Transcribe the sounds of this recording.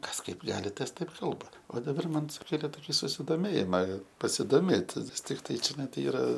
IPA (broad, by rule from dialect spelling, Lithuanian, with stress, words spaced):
ˈkɐs ˈkɐɪp ˈɡɑːlʲɪ ˈtɐs ˈtɐɪp ˈkɐlˠbɐ oː dɐˈbɐr ˈmɐn sʊˈkʲeːlʲeː ˈtoːkʲɪ sʊsʲɪdoːˈmʲeːjɪmɐ pɐsʲɪdoːˈmʲeːtʲ nʲɛs ˈtʲɪktɐɪ t͡ʃʲɛˈnɐɪ ˈtɐɪ ˈiːrɐ